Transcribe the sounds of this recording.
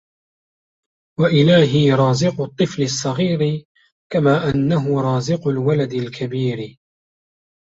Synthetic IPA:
waʔɪlaːɦɪɾˤɑːzɪqʊt̪ˤːɨflɪsˤːɑɣiːɾɪ | kamaːʔanːaɦʊɾˤɑːzɪqʊlwalad̪ɪlkʰabiːɾɪ

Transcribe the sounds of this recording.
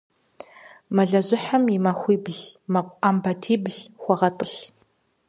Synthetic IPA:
mɐɮɐʑɪħamimɐxʷiːbɮmɐqʷʔambɐtʰiːbɮxʷɔʁɐtʼɨɬ

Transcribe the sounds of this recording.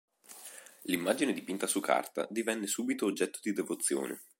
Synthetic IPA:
limːaːd͡ʒined̪ipint̪asukʰːa̰rt̪a̰d̪ivɛnːesuːbit̪oːd͡ʒːɛt̪ːod̪id̪evot̪sːjo̰ːnʔḛ

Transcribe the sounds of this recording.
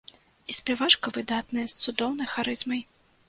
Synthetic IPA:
isʲpʲɛvat͡ʂkɐvɨd̪at̪nɐjɐst̪sud̪ɔwnɐjxaɾɨzmɐj

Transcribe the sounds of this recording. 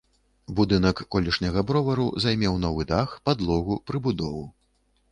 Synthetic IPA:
bud̪ɨn̪ɐkːɔlʲiʂnʲɐɣɐbɾɔvɐɾṵzajmʲɛwnɔvɨd̪axpad̪lˠɔɣupɾɨbud̪ɔvɨ

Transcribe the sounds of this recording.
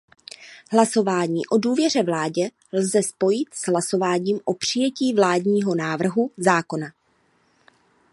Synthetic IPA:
ɦlaso̞vaːɲiːʔo̞duːvjɛr̝ɛvlaːɟɛ | lzɛspo̞jɪt̪z̥ɦlaso̞vaːɲiːmʔo̞pr̝̥ɪjɛciːvlaːdɲiːɦo̞naːvr̩ɦuzaːko̞na

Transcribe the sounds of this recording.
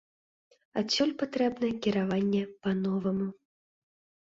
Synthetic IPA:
asʲɔlʲpat̪ɾɛbnɐjɛkʲiɾavanʲːɛpanɔvɐmu

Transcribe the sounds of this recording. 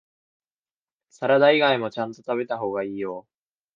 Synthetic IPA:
saɾad̪aiɡaimo̞t͡ɕãnt̪o̞t̪aβe̞t̪aɦo̞ːɡaiːjo

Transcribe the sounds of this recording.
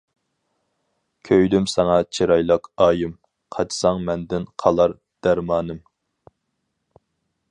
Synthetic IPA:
kʲʰøjd̪ymsɑŋɑt͡ʃʰiɾɑjlˠɑqɑːjɨm | qʰɑt͡ʃʰsɑŋmɛnd̪ɪnqʰɑlˠɑɾ | d̪̥æɾmɑːnɨm

